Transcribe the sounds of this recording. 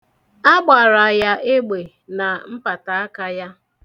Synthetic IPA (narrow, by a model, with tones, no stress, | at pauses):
a˦ɡ͡ba˨ɾa˨ja˦ʔe˦ɡ͡be˨ | na˨m̩˦pa˨ta˨a˦ka˦ja˦